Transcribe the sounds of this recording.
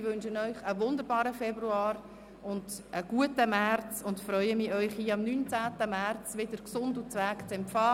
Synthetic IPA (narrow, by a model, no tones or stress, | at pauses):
ɪʋɵnʃənœʏχəʋʊndəɾbɑːɾəfɛbɾuɑːɾ | ʊndʔəɡ̥uətəmært͡sʊntfɾœʏəmiːœʏχhiːɑmnyːnt͡sæːtəmært͡svɪdəɾksʊndut͡sʋæːkt͡sɛmpfɑː